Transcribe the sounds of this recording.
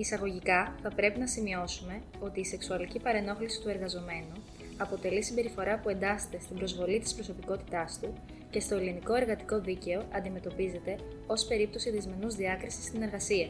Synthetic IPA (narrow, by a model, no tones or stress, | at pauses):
isɐɣo̞ʝikɐθɐpɾe̞pinɐsimio̞sume̞ | o̞t̪iːse̞ksuɐlicipɐɾeno̞xlisi̥t̪ue̞ɾɣɐzo̞me̞nu | ɐpo̞t̪e̞lisimbe̞ɾifo̞ɾɐpue̞nd̪ɐset̪e̞st̪ibɾo̞zvo̞lit̪ispɾo̞so̞piko̞t̪i̥t̪ɐst̪u | ce̞st̪o̞eliniko̞e̞ɾɣɐt̪i̥ko̞ðice̞o̞ʔɐnd̪ime̞t̪o̞pize̞t̪e̞ | o̞spe̞ɾip̚t̪o̞siðizme̞nuzðiɐkɾisi̥st̪ine̞ɾɣɐsiɐ